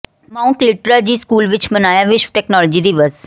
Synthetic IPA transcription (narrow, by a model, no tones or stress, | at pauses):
mãːʊ̃ɳʈlɪʈɾaːd͡ʒiːskuːlʋɪt͡ʃbənaːjaːʋɪʃʋʈɛːknɔːlːd͡ʒiːd̪iːʋəz